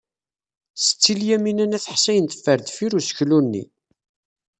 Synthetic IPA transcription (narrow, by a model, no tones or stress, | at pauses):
sə̥t͡sːiljæminænæθəħsæjənt̪ə̥fːəɾd̪fiɾusə̥çlunːḭ